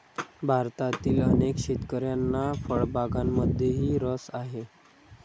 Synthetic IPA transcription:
bʱaɾt̪at̪iːlənekɕet̪kəɾjanːafəɭbʱaɡamːəd̪ʱjeɦiːɾəsaɦe

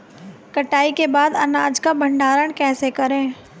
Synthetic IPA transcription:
kɐʈaːikebaːd̪ɐnaːd͡ʒkabɐ̃ɳɖaːɾəɽkɛːsekɐɾẽː

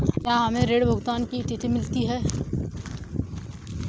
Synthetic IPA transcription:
jãɦɐmẽɾeːɽbʱʊɡt̪aːnkit̪it̪imɪlt̪iɦɛː

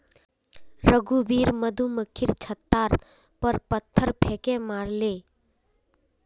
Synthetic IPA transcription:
ɾəɡubiːɾməd̪ʱuməkʰːiɾt͡ʃʰət̪ːaːɾ | pəɾpət̪ʰːəɾpʰeːkemaːɾleː

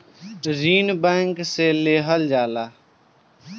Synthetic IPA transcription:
ʈziːnbɛ̃ːŋkseːleːɦəld͡ʒaːlaː

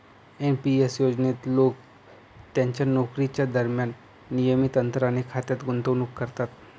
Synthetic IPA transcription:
enpiesjoːd͡ʒnet̪loːɡ | t̪ẽnt͡ʃanɔːkɾit͡ʃad̪əɾmjaːnː | ijəmit̪ə̃nt̪ɾanekʰaːt̪jət̪ɡʊnt̪onukːɐɾt̪aːt̪

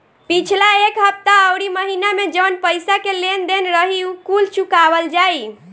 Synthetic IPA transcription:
pit͡ʃʰlaekɦəp̚t̪aəwɾiməɦinamed͡ʒəwnpəjsakelend̪enɾəɦiukult͡ʃukabəld͡ʒaj

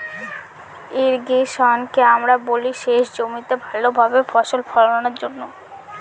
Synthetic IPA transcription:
eɾɡeʃɔnkeamɾaboliʃeʃd͡ʑomit̪ebʱalːobʱabefɔʃolfɔlonanaɾd͡ʑonːo

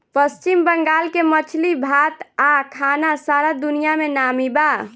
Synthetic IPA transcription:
pəst͡ʃimbəŋɡalkemət͡ʃʰlibʱat̪akʰanasaɾad̪unijamenamiba

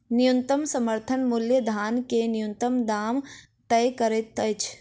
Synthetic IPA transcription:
nɪjunt̪əmsɐməɾt̪ʰənmʊljəd̪ʱaːnkenɪjunt̪əmd̪aːm | t̪ɐjkəɾet̪ːət͡ʃʰ

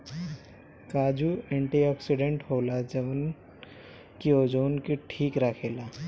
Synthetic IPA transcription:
kaːd͡ʒuẽɳʈiɔːksiɖẽɳʈhoːlad͡ʒɐʋən | kioːd͡ʒoːnkiʈʰiːkɾakʰeːlaː

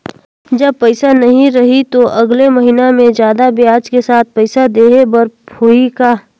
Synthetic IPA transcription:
d͡ʒɐb̚pɐɪsanɐɦĩɾɐɦit̪oʔɐɡlemɐɦiːnamẽd͡ʒjaːd̪abʱiaːd͡ʒkesaːt̪̚ʰpɛɪsad̪eːɦebɐɾoikaː

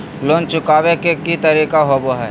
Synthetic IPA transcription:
loːnt͡ʃʊkaːwekekit̪ɐɾiːkaɦoboɦɛː

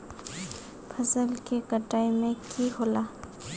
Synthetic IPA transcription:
pʰɐsəlkekəʈaːimẽkiɦola

